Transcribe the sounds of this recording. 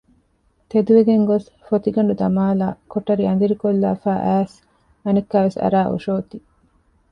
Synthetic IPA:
t̪ed̪uʋeɡeŋɡos | fot̪iɡɐɳɖud̪ɐmaːlaːkoʈɐɾiɐnd̪iɾikolːa̰ːfæːʔæːs | ɐnekːæːʋesɐ̰ɾaːʔṵʃoːt̪i

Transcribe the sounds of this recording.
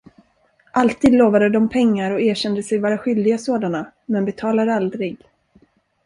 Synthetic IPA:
ʔalt̪ʰiːd̪loːvad̪əd̪ɔmpʰɛŋːaɾɔeːɕɛnd̪əsɛjvɑːɾaɧʏld̪ɪɡasoːd̪ana | mɛnbɛt̪ʰɑːlad̪əald̪ɾɪɡ

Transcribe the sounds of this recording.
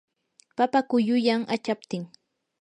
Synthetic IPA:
papakʊjʊjaŋʔat͡ʃap̚t̪ɪŋ

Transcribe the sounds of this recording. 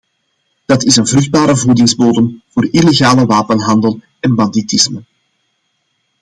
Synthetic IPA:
d̥ɑtɪsənvrɵɣd̚baːɾəvudɪŋzboːdəmv̥oːrileɣaːləʋaːpənɦɑndəlˠ | ɛnbɑnditɪsmə

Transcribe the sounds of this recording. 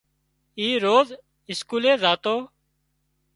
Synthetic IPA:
iːɾoːz | ɪskuːleːzaːt̪oː

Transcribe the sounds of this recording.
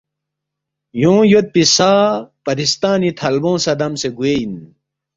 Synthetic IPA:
jõːjot̪̚pisaːpɐɾist̪aːnit̪ʰɐlbõːsɐd̪ɐmseɡuein

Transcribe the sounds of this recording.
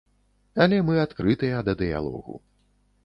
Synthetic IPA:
alʲɛmɨat̪kɾɨt̪ɨjɐd̪ɐd̪ɨja̰lˠɔ̰ɣṵ

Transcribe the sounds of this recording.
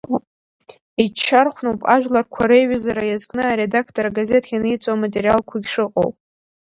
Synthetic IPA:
it͡ʃʰːarχʷnowpʼa̰ʒᶣlarkʷʰaɾejɥazaɾajazkʼnɨaɾe̞dakʰtʰʼoɾaɡaze̞tʰʼɡʲanɨjt͡sʼoamatʼeɾijalkʷʰaɡʲʂɨqʼo̰wpʼ

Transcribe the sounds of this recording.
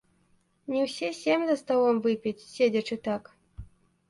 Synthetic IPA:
nʲiwsʲɛsʲɛmʲzɐst̪awɔmvɨpʲit͡sʲsʲed͡zʲɐt͡ʂɨt̪ak

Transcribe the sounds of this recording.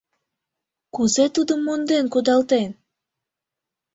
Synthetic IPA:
kuzet̪ud̪əmːund̪enkud̪ɑlt̪en

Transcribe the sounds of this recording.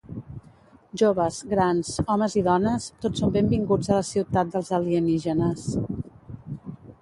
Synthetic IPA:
ʒoβəzɣɾanzɔməziðɔnəst̪otsombembiŋɡud͡zələsiwt̪at̪̚d̪əlˠzəliəniʒənəs

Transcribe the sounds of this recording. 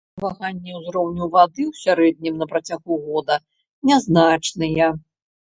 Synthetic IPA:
vaɣanʲːiwzɾɔwnʲuvad̪ɨwsʲaɾɛd̪̚ʲnʲimnɐpɾɐt͡sʲaɣuɣɔd̪ɐ | nʲaznat͡ʂnɨjɐ

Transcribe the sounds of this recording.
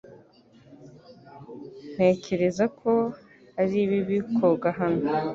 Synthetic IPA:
n̥e̞ːce̞ɾe̞zakʰo̞ | aɾiːβiβikʰoɡaɦano

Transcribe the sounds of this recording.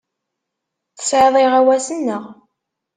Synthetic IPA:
θə̥sʕeðˤeʁæwæsənːəʁ

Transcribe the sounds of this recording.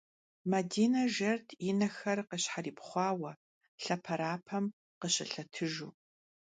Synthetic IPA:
mɐdiːnɐʒɐrtʰinɐxɐrqəɕħariːpχʷɑːwɐ | ɬɐpʰɐɾaːpʰɐm | qəɕʼɪ̰ɬɐtʰɨʒuː

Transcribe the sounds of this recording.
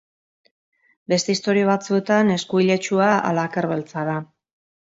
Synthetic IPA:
be̞st̪e̞ist̪o̞ɾioβat͡sue̞t̪ane̞skuiʎe̞t͡ʃuaa̰laːkeɾβe̞lt͡saða

